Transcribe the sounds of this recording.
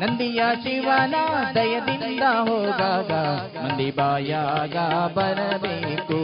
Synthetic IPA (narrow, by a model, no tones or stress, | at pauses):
nɐnd̪ijat͡ʃiʋaːnɐd̪ɐjɐd̪ind̪ɐɦoːd̪aːɡɐ | mɐnd̪ibaːjaɡɐbɐɾɐbeːku